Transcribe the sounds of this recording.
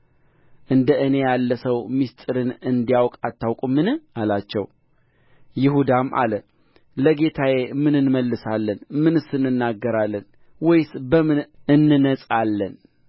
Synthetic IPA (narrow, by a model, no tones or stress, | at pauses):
ʔɨnd̪əʔɨne̞jalːəsəwmist̪ʼɨɾɨnɨnd̪ijawkʼat̪ːawkʼumɨnɨalat͡ʃːɛw | jɪɦud̪amʔa̰lə | ləɡet̪ʰaje̞mɨnɨnməlːɨsalːənmɨnɨsɨnːɨnːaɡːəɾalːən | wɔjsbəmɨnɨnːɨnət͡sʼalːən